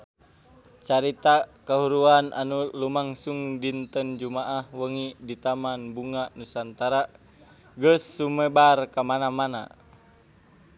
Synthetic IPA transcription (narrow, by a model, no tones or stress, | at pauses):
t͡ʃaɾit̪akaɦuɾuanʔa̰nulumaŋsuŋdint̪ənd͡ʒumaʔahwəŋidit̪amanbuŋaʔnusant̪aɾa | ɡəsːumɛbarkamanamana̰